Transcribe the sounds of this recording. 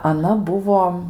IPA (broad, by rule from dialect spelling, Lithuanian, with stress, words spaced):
ɐˈnɐ ˈbʊʋoː